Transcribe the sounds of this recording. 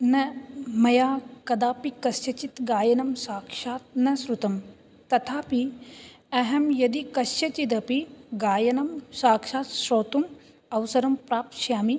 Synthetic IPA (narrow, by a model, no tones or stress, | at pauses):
nɐmɐjaːkɐd̪aːpikɐsjɐt͡ʃit̪ɡaːjɐnɐmsaːkʂaːt̪̚nɐsɾut̪ɐm | t̪ɐt̪ʰaːpi | ɐɦɐmjɐd̪ikɐsjɐt͡ʃit̪ɐpiɡaːjɐnɐmsaːkʂaːt̪ʃɾoːt̪um | ɐwsɐɾɐmpɾaːp̪̚ʃjaːmi